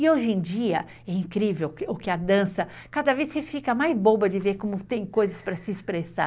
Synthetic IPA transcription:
ɪoʒẽd͡ʒiɐ | ɛĩkɾivewʊkɪɐd̪ɐ̃sɐ | kad̪ɐvesɪfikɐmajzbobɐd͡ʒɪveɾkõmʊt̪ẽj̃kojzɐspɾɐsɪːspɾesa̰

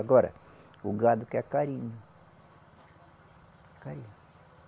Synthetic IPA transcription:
aɡɔɾɐ̰ | uɡad̪ʊkɛkaɾĩɲʊ | kaɾiɲʊ

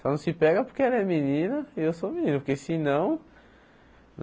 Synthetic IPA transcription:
sãnɐ̃w̃sɪpɛɡɐpoɾkeɛlɐɛminĩnɐiewsomĩnĩnɐpoɾkesinɐ̃w̃

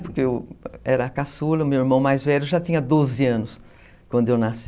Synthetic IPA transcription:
pʊɾkeewɛɾɐːkasulɐmewiɾmɐ̃w̃majzvɛʎʊʒat̪ĩɲɐd̪ozɪɐ̃nʊs | kwɐ̃nd̪ʊewnas

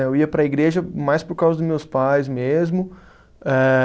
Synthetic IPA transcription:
ewiɐpɾɐiɡɾeʒɐmajspoɾkawzɐd̪ʊzmewspajzmezmʊ | ɛ

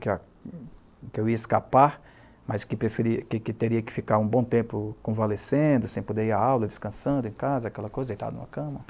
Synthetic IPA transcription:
kɪa | kɪewiɐɪskapaɾ | mɐskɪpɾefeɾikɪkɪt̪eɾiɐkɪ̥fikaɾũbõt̪ẽmpʊkõvalesẽd̪ʊsẽj̃pod̪eiɾaawlɐd͡ʒɪskɐ̃sɐ̃nd̪ʊẽkazɐakɛlɐkojzɐelt̪a̰nṵ̃mɐkɐ̃mɐ

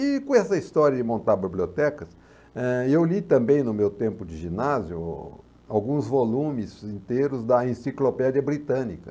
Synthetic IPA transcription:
ɪkõɛsɐist̪ɔɾjɐd͡ʒɪmõnt̪aɾbibliot̪ɛkɐs | ɛewlit̪ɐ̃mbẽj̃nʊmewt̪ẽmpʊd͡ʒɪʒinazjʊ | awɡũzvolũmɪzĩnt̪ejɾʊzd̪ɐẽsiklopɛd͡ʒiɐbɾit̪ɐ̃nikɐ

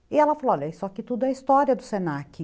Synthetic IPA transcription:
ɪɛlɐfaloɔʎɐisʊakit̪ud̪ʊɛɐist̪ɔɾiɐd̪ʊsenakɪ

